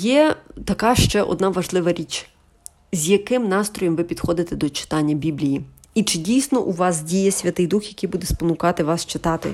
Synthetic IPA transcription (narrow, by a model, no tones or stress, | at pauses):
jɛt̪ɐkɑʃt͡ʃɛʔɔ̰d̪nɑʋɐʒlˠɪʋɐɾʲit͡ʃ | zʲjɐkɪmnɑst̪ɾɔjɔmʋɪpʲid̪xɔd̪ɪt̪ɛd̪ɔt͡ʃɪ̥t̪ɑnʲːɐbʲiblʲiji | it͡ʃɪdʲijsnɔʔuʋɑsdʲijɛsʲʋʲɐt̪ɪjd̪uxjɐkɪjbud̪ɛspɔnʊkɑt̪ɪʋɑst͡ʃɪt̪ɑt̪ɪ̰